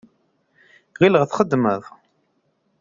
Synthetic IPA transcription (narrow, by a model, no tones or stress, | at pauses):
ʁiləʁθχəd̪ːməðˤ